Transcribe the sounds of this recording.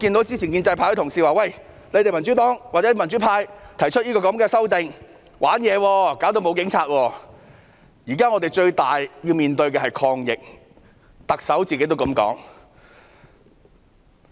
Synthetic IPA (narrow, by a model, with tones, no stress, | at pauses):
ki˧nt̪o˨˥wt͡siː˥t͡ɕʰiː˨˩nkiː˧nt͡sɐ˧jpʰaː˧jhɵ˧˥t̪ʰʊ˨˩ŋsiː˨˩waː˨˧wɐ˥˨j | le˨˧˥jt̪e˨˩mɐ˨˩nt͡ʃy˨˥t̪ɔː˨˥ŋwaː˨˩t͡sɛː˨˧˥mɐ˨˩nt͡ʃy˨˥pʰaː˧jt̪ʰɐ˨˩jt͡ʃʰɵ˥t̚jiː˥kɔː˧kɐ˨˧˥mkɛː˧sɐ˥wt̪ɪ˨ŋ | wʔaː˨˥njɛː˨˧wɔː˧kaː˨˥wt̪o˧wmo˨˧˥wkɪ˨˥ŋt͡sʰaː˧t̚wɔː˧ | jiː˨˩kaː˥ŋɔː˧t̪e˨˩jt͡ʃɵ˧ɥt̪aː˨jjiː˧wmiː˨˩nt̪ɵ˧ɥk̬ɛ˧hɐ˨jkʰɔː˧ŋjɪ̰˨k̚ | t̪ɐ˨k̚sɐ˨˥wt͡siː˨ke˥jt̪o˥kɐ˨˧˥mkɔ̰ː˨˥ŋ